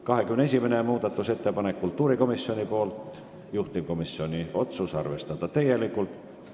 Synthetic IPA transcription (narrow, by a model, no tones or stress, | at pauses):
kɑɦekymneesʲimenemuːd̪̥ɑt̪ːˑuse̞t̪ːe̞pɑnekːult̪ːˑuːɾiko̞misːio̞nʲipo̞ːlt̪ˑ | juht̪imko̞misːio̞nʲio̞t̪susɑ̰rve̞st̪ɑd̪̥ɑt̪æjelikːˑult̪